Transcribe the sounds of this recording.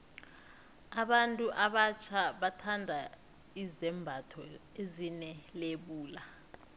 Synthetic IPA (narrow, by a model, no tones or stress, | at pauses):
aɓantʼuʔaɓat͡ʃʰaɓatʰandʱa | izɛmbʱatʰɔ | ezinɛleɓuːla